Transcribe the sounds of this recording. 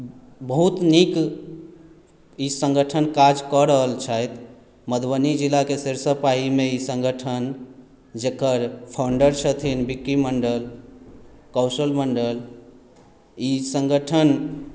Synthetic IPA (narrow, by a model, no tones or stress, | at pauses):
bəɦut̪nik | isə̃ŋɡəʈʰənkad͡ʒkɔɾəɦəlt͡ʃʰajt̪ | məd̪bənid͡ʒilakeseɾsəpaɦimeisə̃ŋɡʱəʈʰən | d͡ʒekəɾpʰawɳɖəɾt͡ʃʰət̪ʰinbikɾiməɳɖəl | kɔwsəlməɳɖəl | isə̃ŋɡəʈʰən